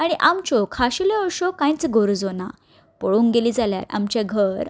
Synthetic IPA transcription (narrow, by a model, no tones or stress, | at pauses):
aɽ̃iʔamt͡ɕɔkʰaɕileɔɭɕokãjt͡sɡʱoɾd͡zona̰ | poɭuːŋɡɡeliːd͡zalja̰ɾa̰mt͡ɕeɡʱəɾ